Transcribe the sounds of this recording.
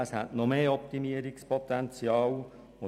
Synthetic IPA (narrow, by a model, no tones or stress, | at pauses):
əshɛ̰tnɔmeːɔp̚timiəɾikspɔt̪ɛnt͡sjɑːw | ʊ